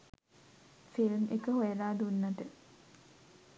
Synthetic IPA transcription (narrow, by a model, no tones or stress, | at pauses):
filmʔekəɦojeɾaːd̪unːɐt̪ə